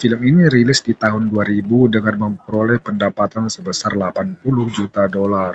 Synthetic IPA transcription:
filəminiɾilɪsdit̪aɦʊnduaɾibudəŋanməmpəɾolɛhpəndapat̪ansəbəsarlapanpulʊhd͡ʒut̪adolar

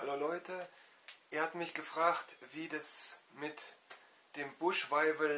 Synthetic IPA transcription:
haloːlɔʏtʰə | ʔeːɐhatmɪçɡ̥əfʁ̥aːxtv̥iːdasmɪt | d̥eːmbʊʃv̥aɪvəl

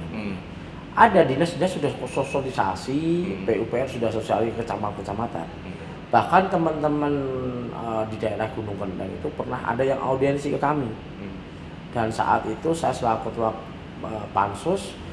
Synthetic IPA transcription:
ʔadadinəsɲasudahsosolisa̰sipeupeɛrsudahsosialikət͡ʃamat̪̚kət͡ʃamat̪a̰n | b̥ahkant̪əmənt̪əmənədidaeɾahɡ̥unʊŋkəndaŋḭt̪upərnaɦa̰dajaŋʔa̰udɛnsikəkami | d̥ansa̰ʔa̰t̪it̪usajasəlakut̪wak | əpa̰nsʊs

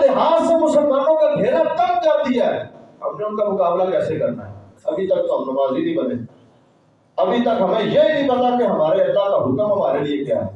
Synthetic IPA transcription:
leɦaːd͡ʒsemʊsepɐɾnõkabʱeːɾat̪ɐk̚kɐɾd̪ijaɦɛ̰ɦɐmneʊnkamʊkaːblakɛːsekɐɾna̰ɦɛ̰ | ɐbʱit̪ɐk̚t̪oɦmnəbaːzinĩbɐne | ɐbʱit̪ɐkɦɐmẽjeɦinĩpɐt̪akeɦɐmaːɾeɐt̪akaɦʊkəmɦɐmaːɾeliekja̰ːɦɛ̰

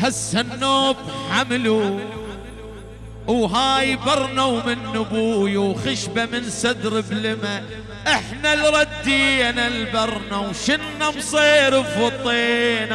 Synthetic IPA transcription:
hasːanːoːbħamlu | wɦaːjbɑɾˤnawmɪnːʊbuːjawxɪʃbamɪnsad̪ɾɪblɪma | ʔɪħnalɾˤɑd̪ːiːnalbɑɾˤnawʃɪnːamsˤiːɾɪfɑt̪ˤeːn

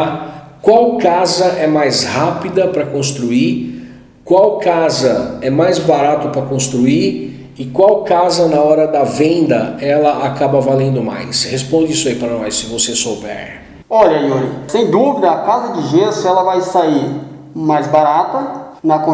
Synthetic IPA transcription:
kwawkazɐʔɛmajzhapid̪ɐpɾɐkõst̪ɾui | kwawkazɐɛmajzbaɾat̪ʊpɾɐkõst̪ɾui | ɪkwawkazɐnɐɔɾɐd̪ɐvẽnd̪ɐɛlɐʔakabɐvalẽnd̪ʊma̰jshespõd͡ʒɪisʊaipɾɐnɔjssɪvosesowbɛ̰ɾ | ɔʎɐioɾisẽj̃d̪uvid̪ɐːkazɐd͡ʒɪʒesɛlɐvajsaiɾ | majzbaɾat̪ɐ | nɐkõ

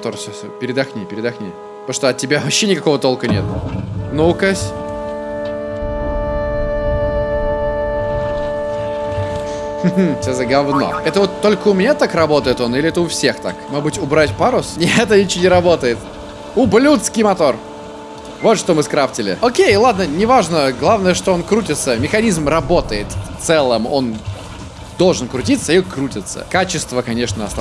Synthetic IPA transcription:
t̪orfsʲosʲopʲɪɾʲɪd̪ɐxnʲipʲɪɾʲɪd̪ɐxnʲḭj̪ | oʂt̪oɐt̚tʲːɪbʲavɐɕːenʲɪkɐko̞vət̪o̞lˠkənʲet̪nukəsʲ | fsʲozəɡɐvno̰ɛt̪əvo̞t̪ːo̞lʲkəʊmnʲet̪akrɐbo̞t̪əjɪt̪o̞nilʲɪɛt̪əʊfsʲe̞xt̪a̰kmoʐbɨtʲʊbɾatʲpaɾʊsnʲɛt̪̬ənʲɪt͡ɕːonʲɪɾɐbo̞t̪əjɪt̪ | ʊblʲut̪skʲɪjmɐt̪o̞r | vo̞t̪ʂt̪o̞mɨskɾaptʲɪlʲɪ̰okʲejlˠad̪nənʲɪvaʐnəɡlˠavnəjəʂt̪oonkɾutʲɪt̪səmʲɪxɐnʲizmrɐbo̞t̪əjɪt̪t̪sɛlˠəmo̞n | d̪o̞lˠʐɨnkɾʊtʲit̪səikɾutʲɪt̪sə̰kat͡ɕɪst̪vəkɐnʲeʂnəɐst̪a

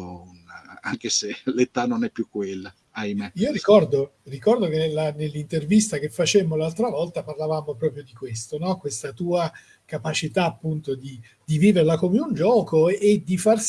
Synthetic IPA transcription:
una̰ŋkeselet̪anːonɛpːjukːwelːa | ajmeiːoɾikɔrd̪orikɔrd̪ok̟enelːanelːint̪ervist̪ak̟efːat͡ʃɛmolalt̪ɾavɔlt̪aparlavaːmopɾɔːpɾjod̪ikwest̪onɔkwest̪at̪uːa | kapat͡ʃit̪aːpːunt̪od̪i | d̪̥iviːverlakomeund͡ʒɔːkoed̪ːifars

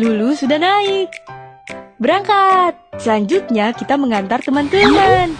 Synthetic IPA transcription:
lulusudahnaɪk̚ | bəɾaŋkat̪̚səlaɲd͡ʒut̪̚ɲakit̪aməŋant̪art̪əmant̪əman

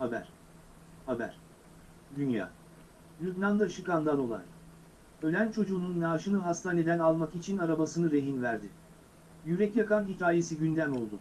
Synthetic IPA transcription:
habæ̰ɾ̥ | habæ̰ɾ̥ | d̪ynja̰ː | lʲyt̪lʲand̪aʃɯkand̪ano̞lˠa̰ɾ̥ | ø̞lʲænt͡ʃʰo̞d͡ʒuːnunːaːʃɯnɯɦast̪ʰaːne̞d̪ænalˠmakit͡ʃʰinaɾabasɯnɯɾe̞ɦinvæɾd̪ɪ | jyɾɛcjakanɦicʲʰaːje̞siɟynd̪æno̞lˠd̪ʊ

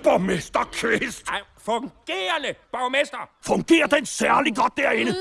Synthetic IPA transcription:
b̥amesd̥ɐkʰʋestfɔŋɡ̥eːɐnəb̥ɑʊmesd̥ɐfɔŋɡ̥e̝̰ːɐd̥ensæɐliɡɒd̥̚d̥æɐenə

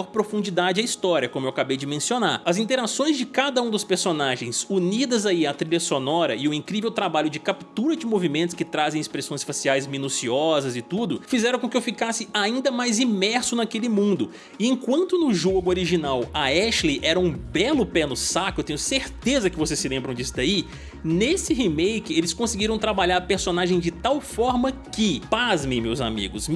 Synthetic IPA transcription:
ɔɾpɾofũnd͡ʒid̪ad͡ʒɪɐist̪ɔɾiɐkõmʊewakabejd͡ʒɪmẽsionaɾɐzĩnt̪eɾasõj̃zd͡ʒɪkad̪ɐũd̪ʊspeɾsonaʒẽj̃sunid̪ɐzaiɐt̪ɾiʎɐsonɔɾɐɪʊĩŋkɾivewt̪ɾabaʎʊd͡ʒɪkapt̪uɾɐd͡ʒɪmovimẽt̪ʊskɪt̪ɾazẽj̃ɪspɾesõj̃sfasiajzmĩnusiɔzɐzɪt̪ud̪ʊfizɛɾɐ̃kõkɪewfikasɪaĩnd̪ɐmajzimɛɾsʊnakelɪmũnd̪ʊ | ɪẽkwɐ̃nt̪ʊnʊʒoɡʊoɾiʒinawɐɛʃliʔɛɾɐũbɛlʊpɛnʊsakʊewt̪ẽɲʊseɾt̪ezɐkɪvosessɪlẽmbɾɐ̃w̃d͡ʒisʊd̪ai | nesɪɦimejkɪelɪskõsɪɡiɾɐ̃w̃t̪ɾabaʎaɾpeɾsonaʒẽj̃d͡ʒɪt̪awfɔɾmɐkɪpazmẽmewza̰mḭɡʊs

